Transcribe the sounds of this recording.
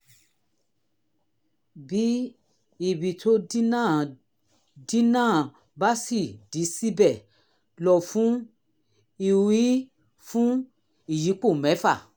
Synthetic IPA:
bi˨˦ | i˨bi˨tʰo˦nã˦˨ | di˦nãː˦˨ | ba˦si˦˨di˨˦si˦bɛ˦˨ | lɔ˨fũ˨˦ | i˨wi˦ | fũ˦ | i˦˨ji˨˦k͡po˦˨mɛ̃˨˦fa˦˨

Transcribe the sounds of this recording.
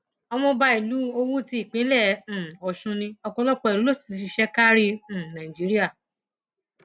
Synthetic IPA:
ɔ˧mɔ̃˧ba˧i˨lu˨˦o˧wu˦ti˧i˦˨k͡pĩ˨˦lɛ̃˦˨ɔ˨ʃũ˧nĩ˧ɔ˧kɔ̃˧˦lɔ˦k͡pɔ˧i˨lu˨˦lo˦si̥˨i˨˦i˧ʃɛ˦ka˦ɾĩ˦˨nã˨ĩ˨d͡ʒi˨˦ɾi˦a˦˨

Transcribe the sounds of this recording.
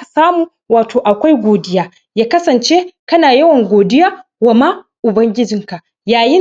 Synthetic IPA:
saː˦muː˨ | waː˨tʰoː˨ʔa˨kʷa˦jɡʷoː˨dɪ˦jaː˦ | jaː˦kɐ˦sɐ˨nt͡ʃeː˦kɐ˦naː˨jɐ˦wɐ˨ŋɡʷoː˨dɪ˦jaː˦ | wa˨ma˦ | ʔʊ˨bɐ˦ŋɡʲɪ˦d͡ʒɪ˨ŋka˨ʔ | jaː˨jɪ˦

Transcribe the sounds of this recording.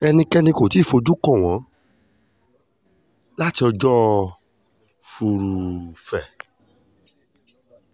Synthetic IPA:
ɛ˧nĩ˧kɛ˦nĩ˧ko˨ti˨˦˨fo˨˧˦d͡ʒu˦kɔ̃˦˨w̃ɔ̃˨˦ | la˦ti˧ɔ˧d͡ʒɔ˦ | fu˧ɾu˧fɛ˨

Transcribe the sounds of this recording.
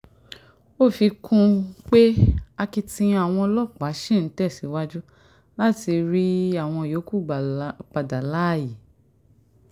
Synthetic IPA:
o˦˨fi˧kʰũ˦˧k͡pe˦a˧ki˧tĩ˧a˦˨w̃ɔ̃˧lɔ˦˨k͡pa˨˦ʃĩ˦˨n̩˨˦tɛ˦˨si˨˦wa˦d͡ʒu˦ | la˦ti˧ɾi˦a˦˨w̃ɔ̃˧˨jo˨˦ku˦˨k͡pa˧˨da˨la˦˨ji˨

